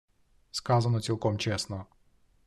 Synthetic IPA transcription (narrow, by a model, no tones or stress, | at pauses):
skazanɔsʲilˠkɔmt͡ʃɛsnɔ